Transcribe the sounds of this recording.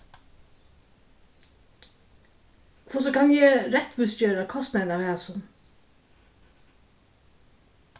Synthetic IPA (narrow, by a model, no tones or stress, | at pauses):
kʰvɔːs̬ɔkanjɛɾɛt̪ʋʏsd͡ʒøːɾakʰɔst̪nanavhæːsʊn